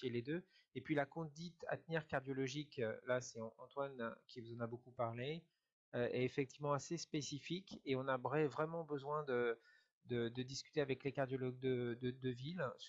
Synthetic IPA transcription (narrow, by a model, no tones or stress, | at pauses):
eled̪ø | epɥilakɔ̃d̪it̪a̰t̪nɛʁkaʁd̪jɔlɔʒiklasɛɑ̃ɑ̰̃t̪wankʲʰivuzɑ̃nabokupaʁle | øʔɛ̰efɛk̚t̪ivmɑ̃asespesifikeɔ̃navʁɛvʁɛmɑ̃bəzwɛ̃d̪ə | d̪əd̪əd̪iskʲy̥t̪eavɛklekaʁd̪jɔlɔɡ̚d̪əd̪əd̪əvil